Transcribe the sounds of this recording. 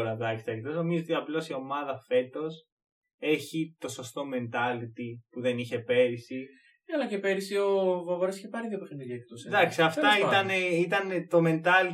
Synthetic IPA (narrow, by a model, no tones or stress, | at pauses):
oɾɐvlɐçist̪ɐek̚t̪ozno̞mizoot̪iɐplo̞sio̞mɐðɐfe̞t̪o̞s | e̞çit̪o̞so̞st̪o̞me̞nt̪ɐlit̪ipuðe̞niçe̞pe̞ɾisi | ɐlɐcepe̞ɾisiovovoɾosiçepɐɾiðjopexiniʎɐk̚t̪osd̪ɐksiɐft̪ɐit̪ɐneit̪ɐnt̪o̞me̞nt̪ɐli